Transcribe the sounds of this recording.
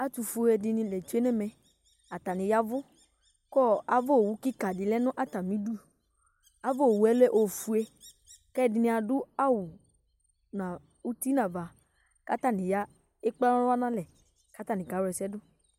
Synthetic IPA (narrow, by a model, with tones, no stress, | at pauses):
a˦t̪u˨fu˦ɛ˨dɪ˨nɪ̃˨lɛ˨d͡ʒu˦e˦nɛ˦mɛ̃˨ | a˨t̪a˨nɪ̃˨ja˦vʊ˦ | kɔ˦a˨vo˦˨wu˦kɪ˦ka˨dɪ˨lɛ˦nʊ̃˦ʔa˦ta˨mĩ˦du˦ | a˨˦vo˦o˨wu˨˦ɛ˦lɛ˦ʔo˨fu˨˦e˦ | kɛ˦˨dɪ˨nɪ̃˨˦a˨dʊ˦a˦wʊ˨ | nã˨ | u˦ti˦nã˨va˨ | ka˦ta˦˨nɪ̃˨ja˦ | ɪ˦k͡pla˦n˦a˦nã˦lɛ˨ | ka˦t̪a˦nɪ̃˨ɡa˨˦wɛ˨sɛ˦dʊ˦